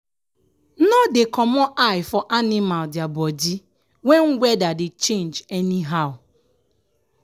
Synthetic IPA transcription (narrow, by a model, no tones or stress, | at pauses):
nɔdɪkɔmɔʔaɪfɔʔanɪmaldɪabɔdi | weŋ̩ɡʷɛdadɪt͡ʃẽnd͡ʒɛniɦaʊ